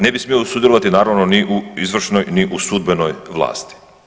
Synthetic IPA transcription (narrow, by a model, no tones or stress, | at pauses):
ne̞bismiosud̪jeloʋat̪inaːɾaʋnoniʔuizʋr̩ʃnojniʔusud̪̚benojʋlˠa̰ːst̪i̥